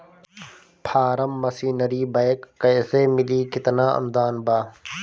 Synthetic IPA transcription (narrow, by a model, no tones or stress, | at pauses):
pʰaːɾəmːɐsiːnəɾiːbaːjkːəːseːmɪliːkɪt̪naːɐ̰md̪aːnbaː